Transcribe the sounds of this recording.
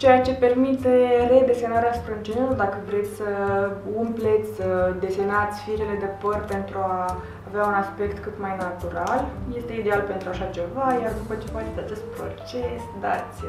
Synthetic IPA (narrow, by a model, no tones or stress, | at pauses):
t͡ʃe̞jat͡ʃe̞pe̞rmit̪e̞re̞d̪e̞se̞naɾeasu̥pɾad͡ʒenelud̪akəvɾe̞t̪sʲsəumplet̪sʲəd̪e̞senat̪sʲfiɾele̞d̪e̞pərʲpe̞nt̪ɾuaː | veaunaspe̞kt̪kɨt̪majnat̪uɾalje̞st̪e̞id̪e̞alpe̞nt̪ɾuaʃat͡ʃe̞vajard̪upət͡ʃe̞poat̪ed̪eat͡ʃe̞st̪̚pɾo̞̰t͡ʃesd̪at̪sʲ